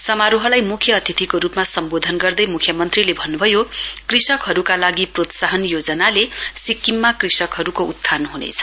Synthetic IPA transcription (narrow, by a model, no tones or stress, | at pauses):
sʌmaɾuɦʌlajmukʰjʌːt̪ʰit̪ʰikoɾupmasʌmbod̪ʱʌnɡʌrd̪ʌjmukʰjʌmʌnt̪rilebʱʌnːubʱʌjokrisʌkɦʌɾukalaɡiprot̪saɦʌnjod͡zʌnalesikːimːakrisʌkɦʌɾukout̪ʰːanɦunḛt͡sʰʌ̥